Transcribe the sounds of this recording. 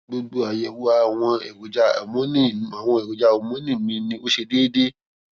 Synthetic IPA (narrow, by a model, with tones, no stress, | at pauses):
ɡ͡bo˧ɡ͡bo˧a˨jɛ˨wu˦a˧˨w̃ɔ̃˧ɛ˨ɡo˨d͡ʒa̰˧˦˨mɔ̃˨˦nĩ˦˨a˨w̃ɔ̃˧ɛ˨ɡo˨d͡ʒa˧o˨mõ˨˦nĩ˦˨mĩ˧nĩ˧o˦ʃe˧deː˦de˦